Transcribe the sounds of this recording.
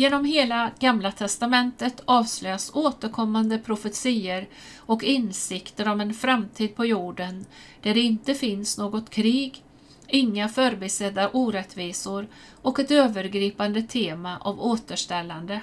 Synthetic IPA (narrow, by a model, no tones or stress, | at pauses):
jeːnɔmɦeːlaɡ̥amlat̪ʰɛst̪amɛnt̪ət̪ʰɑːvslœjasoːt̪əɾkʰɔmːand̪əpʰɾʊfət̪siːəɾ | ɔkɪnsɪkt̪əɾɔmɛnfɾamt̪ʰiːd̪̚pʰɔjuːɖən | d̪̥æɖɛɪnt̪əfɪnsnoːɡɔt̪kʰɾiːɡ | ɪŋːafœɾbɪsɛd̪ːaʔuːɾɛt̪viːsʊɾ | ɔkɛt̪øːvəɾɡɾiːpand̪ət̪ʰeːmaʔavoːt̪əʂʈɛlːand̪ə